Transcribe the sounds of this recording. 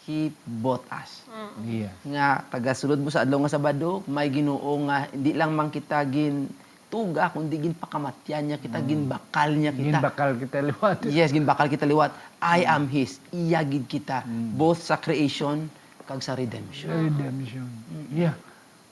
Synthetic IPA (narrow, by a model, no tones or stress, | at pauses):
hibot̪a̰s | ŋat̪ɐɡasʊlot̪̚mosɐʔad̪lawŋasabad̪omajɡɪnoːʔoŋahɪ̰nd̪ɪlaŋmaŋkɪt̪aɡɪn | t̪uːɡakʊnd̪ɪɡɪnpɐkamat̪janɲakɪt̪aɡɪnbakalɲakɪɡt̪abakalkɪt̪alɪwat̪jɛsɡɪnbakalkɪt̪alɪwat̪̚ʔajʔamɦɪsɪjaɡɪd̪̚kɪt̪abowθsɐkɾɪʔejʃon | kaɡsɐɾɛd̪ɛmʃoɾɛd̪ɛmʃonja